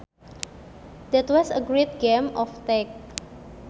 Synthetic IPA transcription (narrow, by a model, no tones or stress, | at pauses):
d̪ɛt̪wɔsəɡɹet̪̚ɡɛmɔft̪ɛk̚